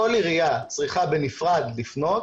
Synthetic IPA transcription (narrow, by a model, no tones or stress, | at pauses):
oliʁijat͡sʁiχabenifʁad̪lifno̞t